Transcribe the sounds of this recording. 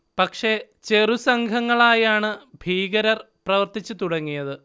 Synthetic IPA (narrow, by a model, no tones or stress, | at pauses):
pɐkʂe̞t͡ɕe̞rusɐŋɡʰʱɐŋːɐɭaːjaːɳɨbʱiːɡɐɾɐr | prɐʋɐrt̪it͡ɕːɨt̪uɽɐŋːijɐðɨ